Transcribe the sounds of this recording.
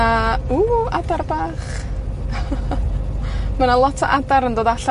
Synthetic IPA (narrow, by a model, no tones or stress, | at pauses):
auadarbaːχ | manalˠɔtʰɔ̰ʔadaɾəndoːðaɬa